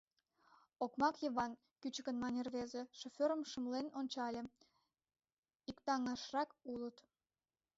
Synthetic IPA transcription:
okmɑkjəβɑn | kyt͡ɕəkənmɑnʲerβezeʃofʲøɾəmʃə̆mlenonʲt͡ɕɑlʲĕ | ikt̪ɑŋɑʃrɑkulət̪

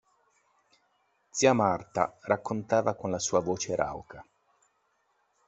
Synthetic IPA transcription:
d̪siamart̪a̰rʔakːont̪aːvakonlasuːavoːt͡ʃeɾa̰wkʰa

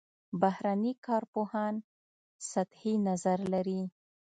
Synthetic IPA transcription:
bahɾanikɑɾpohɑn | sat̪hinazaɾlaɾi

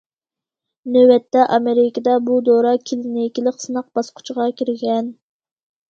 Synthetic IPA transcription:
nøwɛt̪ʰːɛʔɑmeɾɪkɑd̪ɑbud̪oɾɑkʲʰilɪnekʲilɪqsɨnɑq̚b̥ɑsqʰʊ̥t͡ʃʰʁɑkʲʰiɾɡʲɛn

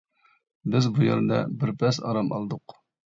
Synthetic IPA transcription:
bɪzbujɛ̰ɾd̪ɑ̰bɪɾpʰɛsɑ̰ɾɑmɑ̰lˠd̪ʊq

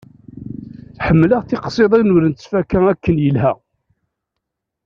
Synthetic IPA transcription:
ħəmːləʁθɪqsˤeðˤænʊɾənt̪ə̥sfækːæækːənjəlɦæ̰

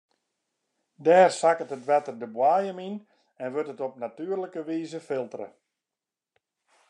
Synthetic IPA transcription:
dɛːrsakətətʋɛtərdəbwaːjəmin | ɛnʋøtətɔp̚natyərləkəʋiːzəfɪlˠtərə̰

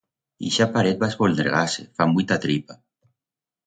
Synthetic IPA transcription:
iʃapaɾet̪̚bazβolneɾɣasefamujt̪at̪ɾipa

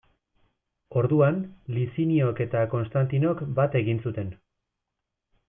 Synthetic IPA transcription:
o̞ɾðuanlisinio̞ke̞t̪ako̞nst̪ant̪ino̞kbat̪e̞ɣinsut̪e̞n

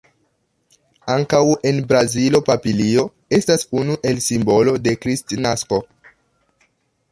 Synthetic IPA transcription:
aŋkawe̞nbɾazilo̞papilio̞ | e̞stasunuʔe̞lsimbo̞lo̞de̞kɾistinasko̞

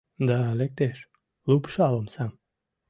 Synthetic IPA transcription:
d̪alʲek̚t̪eʃ | lupʃalˠomsam

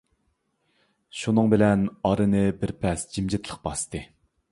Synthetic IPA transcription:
ʃunɨŋbɪlɛnɑɾɨnɨbɪɾpʰɛsd͡ʒimd͡ʒɪt̪ʰlˠəχbɑst̪ɨ

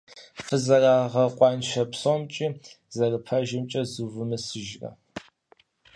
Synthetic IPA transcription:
fɨzɐraːʁɐqʷʼɑnʃɐpsomt͡ʃʼiː | zɐrɨpʰɐʒɪmt͡ʃʼɐzuvɨmɨsɨʒrɐ̰

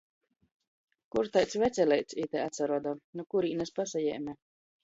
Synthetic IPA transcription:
kuɾt̪ajt̪svʲɛt̪sʲɛlʲɛjt̪sʲit̪ɛat̪saɾuɔd̪aːnukuɾiːnɛspasajɛ̰ːmʲɛ

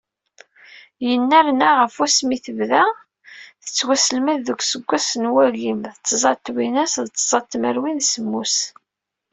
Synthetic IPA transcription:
jənːæɾnaʁəfæsmiθəvðæ | θə̥t͡sːwæsəlmæðːəɡʷsəɡʷːæsənwæɣimðt͡sːzˤɑt̪ːwinæsðt͡sːzˤɑt̪ːməɾwinsəmːus

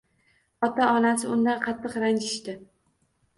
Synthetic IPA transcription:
ɒt̪aɒnasɪʊnd̪anqʰɑt̪ʰːɨqɾant͡ʃɪʃt̪ɪ

